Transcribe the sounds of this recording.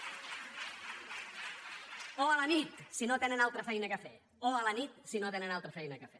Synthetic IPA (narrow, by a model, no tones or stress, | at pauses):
oələnit̪sinot̪enənalˠt̪ɾəfɛjnəkəfɛ̰ | oələnit̪̚sinot̪enənalˠt̪ɾəfɛjnəkəfɛ